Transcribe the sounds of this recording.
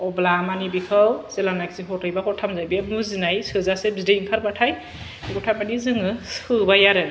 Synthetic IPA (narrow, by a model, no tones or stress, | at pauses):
ɔblamanibikʰɯwz̥elanakziɦɔtɯjbakʰɔtʰamzajbiamuzinajsɯzasebzidejiŋkʰaɾbatʰaj | ɡɔtʰamanizɯŋɯsɯbajaɾɯ